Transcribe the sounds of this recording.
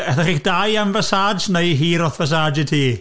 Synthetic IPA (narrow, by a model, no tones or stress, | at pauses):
ɛθaχikd̥ajamvasaːd͡ʒnejɦiːɾɔθvas̬aːd͡ʒɪdhiː